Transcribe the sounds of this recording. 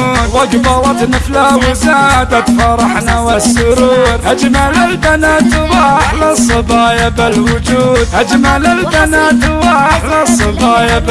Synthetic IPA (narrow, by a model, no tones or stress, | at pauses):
waɡbɑlˤɑt̪nɪflawʊzad̪at̪fɑɾˤɑħnawasːʊɾuːɾʔad͡ʒmalalbanaːt̪waaħlasˤɨbɑːjabɪlwʊd͡ʒuːd̪ʔad͡ʒmalalbanaːt̪waaħlasˤɨbɑːjab